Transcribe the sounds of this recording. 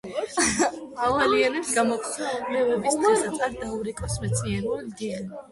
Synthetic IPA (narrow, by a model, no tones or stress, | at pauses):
avalianɛpsɡamɔk̪ʰaɛvɛbisasat̪sʼaɾd̪auɾikʼɔsmɛt̪sʰʼniɛɾuaɡ